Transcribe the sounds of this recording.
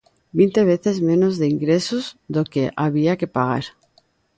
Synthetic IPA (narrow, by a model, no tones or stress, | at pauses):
bint̪eβ̞eθezmẽnozðeiŋɡɾesuzðokeʔaβiakepaɣ̞a̰ɾ